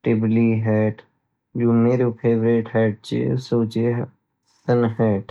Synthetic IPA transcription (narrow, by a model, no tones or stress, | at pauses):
ʈɪbliɦɛːʈ | d͡ʒoːmeːɾopʰeːʋɾeːʈɦɛːʈ̚t͡ʃḛsoːt͡ʃe | sənɦɛːʈ